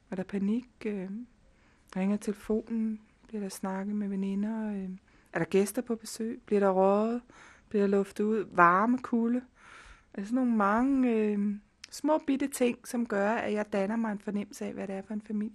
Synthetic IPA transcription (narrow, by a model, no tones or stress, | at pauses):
æɐɾ̥ɑ̈pʰæniɡ̥ø | ʁeŋɐt͡sʰe̝ləfo̝̰ːnn̩ | b̥liɐ̰ɾ̥ɑ̈snɑ̈ɡ̥ð̩ˠmeʋenenɐ | æɐɾ̥ɑ̈ɡ̥esd̥ɐpʰɒ̽b̥e̝sø̰ːɪb̥liɐɾ̥ɑ̈ʁɒð̩ˠb̥liɐɾ̥ɑlɔ̽fd̥ð̩ˠuð̞̰ˠʋɑ̈ːməkʰulə | æsɒno̝ːn̩mɑ̈ŋəø | smɔ̰̽ːb̥id̥ət͡sʰe̝ŋ̰sɒ̽mɡ̥ɶɐæjɑ̈ɪd̥ænɐmɑ̈ɪe̝nfɒ̽nem̰l̩səɛ̰ʋæɾeæɐfɒ̽e̝nfæmil̰jə